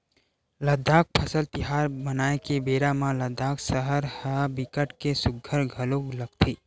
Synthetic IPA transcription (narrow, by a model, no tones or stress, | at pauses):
ləd̪ʱaːk̚pʰəsəlt̪ɪɦaːɾbənaːekebeːɾamãləd̪ʱaːksəɦəɾhabɪkəʈkesʊɡʱːəɾɡʱəloɡləɡ̚t̪ʰiː